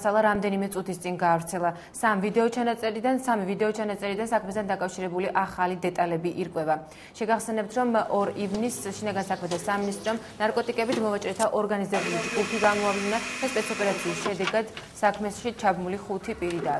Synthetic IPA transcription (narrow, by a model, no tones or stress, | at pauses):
sʰalˠaɾamd̪ɛnimɛt̪sʼut̪ʰist̪sʼinɡaːvɾt̪sʰɛlˠa | samvid̪ɛɔt͡ʃʰanat̪sʼɛɾid̪ansamivid̪ɛɔt͡ʃʰanat̪sʼɛɾid̪ansakʰmɛsd̪ʰand̪akʼafʃiɾɛbuliʔaχalid̪ɛt̪ʼalɛbiʔiɾkʼwɛva | ʃɛɡaχsɛnɛp̚t̪ʰɾɔmɔɾivnisʃinaɡansakʰmɛt̪ʰasaminist̪ʼɾɔmnaɾkʼɔt̪ʼikʼɛbit̪mɔvat͡ʃʼɾɛt̪ʰaʔɔɾɡanizɛbulid͡ʒɡupʰiɡamɔavlinad̪̥aspʼɛt̪sʰɔpʼɛɾat̪sʰiːsʃɛd̪ɛɡad̪̥ | sakʰmɛʃit͡ʃʰabmuliχut̪ʰipʼiɾid̪a